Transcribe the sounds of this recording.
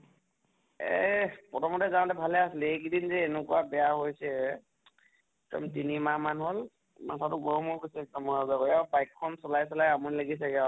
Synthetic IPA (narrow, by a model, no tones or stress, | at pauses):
ɛ̰pɔtʰɔmɔtɛzanɔtɛbʱalɛaslɛek̬idinzɛːnukuwabɛjaɦojsɛ | kɔ̰mtinimamanɦol | ma̰sʰatʊɡɔɹɔmɔɹkɔsɛk̚tamɔɹazaɡɔaɹbajkʰːɔnsɔlajsɔlajamunlaɡis̬ɛɡɛa